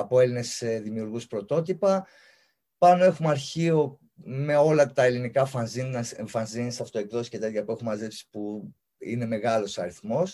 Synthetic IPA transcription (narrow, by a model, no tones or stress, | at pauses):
ɐpo̞e̞line̞seðimiuɾɣuspɾo̞t̪o̞t̪ipɐ | pɐno̞e̞xumɐɾçio̞ | me̞o̞lɐt̪ɐe̞linikɐfɐnzinseɱfɐnzinsɐft̪o̞ekðo̞si̥ce̞t̪e̞t̪çɐpue̞xumɐzepsi̥pu | ḭne̞me̞ɣɐlo̞sɐɾiθmo̞s